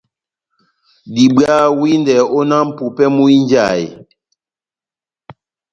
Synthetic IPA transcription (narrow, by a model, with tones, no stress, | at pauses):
di˨ɓɰa˦wi˦ndɛ˨o˦na˦m̩˨pu˨pɛ˦mu˦i˦n˦d͡ʒa˦˨ḭ˨